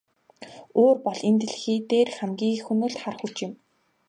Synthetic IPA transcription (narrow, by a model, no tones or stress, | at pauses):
oːrpɔɮent̪ɘ̆ɮxiːt̪eːrχæmɡʲiːxunɘ̆ɮt̪χar̆xut͡ɕɪ̆m